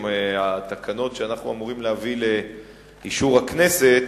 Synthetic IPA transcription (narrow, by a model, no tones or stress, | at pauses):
meat̪akʰano̞tʃeanaχnuamuʁimleavile | iʃuʁakne̞se̞t